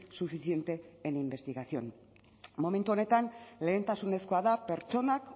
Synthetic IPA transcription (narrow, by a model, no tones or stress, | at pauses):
sufisie̞nt̪e̞ːnimbe̞st̪iɣasio̞̰n | mo̞me̞nt̪uo̞ne̞t̪anle̞ːnt̪asune̞sko̞aðape̞ɾt͡ʃo̞nak